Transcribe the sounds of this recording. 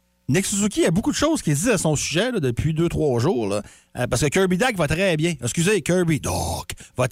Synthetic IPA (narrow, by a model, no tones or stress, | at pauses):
nɛkszukʲiabukud̪əʃowz̥kʲild͡ziasɔ̃syʒɛlʌd̪əpʰɥid̪øt̪χwɑʒuːʁlʌ̰ | əpaʁskəkœɹbid̪akvat̪ʁɛbjɛ̃ɛskʲyzɪkʲœ˞bid̪ɔkvʌ